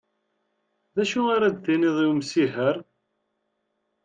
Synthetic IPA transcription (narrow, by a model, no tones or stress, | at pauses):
ðæʃuaɾad̪θiniðˤiwmsiɦəɾ